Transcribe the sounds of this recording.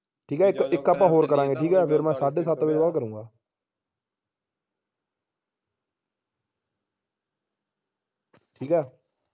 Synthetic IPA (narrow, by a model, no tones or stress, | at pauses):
ʈʰiːkɦɛːɪkɪkaːpãːɦoːɾkəɾãːŋɡeːʈʰiːkɦɛːpʰɪɾmɛ̃ːsaːɖeːsat̪ːʋɪd͡ʒbalkəɾũːŋɡaː | ʈʰiːkɛː